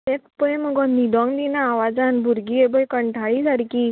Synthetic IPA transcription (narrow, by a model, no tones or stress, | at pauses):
ekpəjməɡɔnid̪ɔ̃ŋd̪inaːʋad͡zanbʱuɾɡiebəjkəɳʈʰaɭisaɽki